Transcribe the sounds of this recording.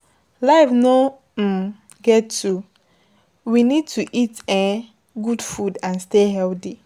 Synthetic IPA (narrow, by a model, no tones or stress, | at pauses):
laɪfno | ɡɛtu | winid̚tuʔitɛ̃ | ɡudfudãnsteɦɛlti